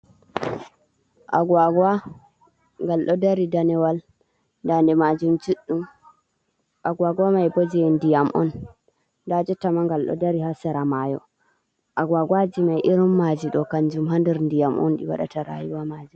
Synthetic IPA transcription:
ʔa̰ɡwaɡa | ŋɡalɗɔdaɾidanɛwal | ndandɛmad͡ʒumd͡ʒuɗːum | ʔaɡwaɡamajbod͡ʒiɛndijamʔɔ̰n | dad͡ʒɔtamaŋɡalɗɔ̰daɾihasɛɾamajɔ̰ | ʔaɡwaɡwad͡ʒimajʔiɾumːad͡ʒiɗɔkaɲd͡ʒumɦandɛɾndijamʔɔ̰nɗḭwa̰ɗa̰taɾa̰juwamad͡ʒum

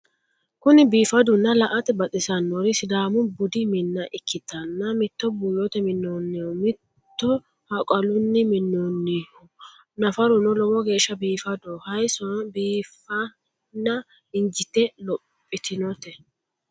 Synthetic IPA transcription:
kʊnɪbiːfɐd̪ʊnːɐlɐʔɐt̪ɛbɐt̪ʼɪsɐnːɔɾɪsɪd̪aːmʊbʊd̪ɪmɪnːɐʔɪkʰːɪt̪ːɐnːɐmɪt̪ːɔbʊjɔt̪ɛmɪnːonːɛɔmɪt̪ːɔ | hɐkʼɐlʊnːɪmɪnːɔnːɪɔ | nɐfɐɾʊnɔlɔwɔɡe̞ːʃːɐbiːfɐd̪ɔhɐjsɔnbiːfɐ | nːɐ | ɪnd͡ʒɪt̪ɛlɔpʼːɪt̪ʰɪnɔt̪ɛ

